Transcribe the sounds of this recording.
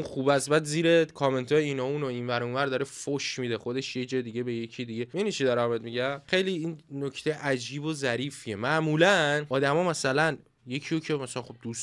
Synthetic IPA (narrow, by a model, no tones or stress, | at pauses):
nxubæst̪bæd̪ziːɾekʰɒme̞nt̪ʰɒːjeiːnɒunoinvæɾunvæɾd̪ɒːɾefoʃmiːd̪e̞xo̞d̪eʃjed͡ʒɒːed̪iɟebe̞jecʰid̪iɟe̞enit͡ʃʰid̪ɒɾæmbed̪miɟæmxejliinnocʰt̪ʰejeʔæd͡ʒiːbozæɾiːfiemæʔmuːlænɒːd̪æmɒːmæsælæn | je̞cʰijocʰemæsælænxo̞b̚d̪us